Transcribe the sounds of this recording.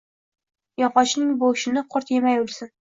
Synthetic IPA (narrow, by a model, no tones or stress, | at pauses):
jɒqɒt͡ʃnɪŋboʃɪnɪqʰʊɾt̪jemajʊlˠsɪn